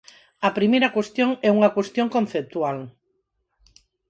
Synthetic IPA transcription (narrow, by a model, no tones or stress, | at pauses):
ɐpɾimejɾakwest̪jõŋɛuŋakwest̪joŋkõnθep̚t̪ual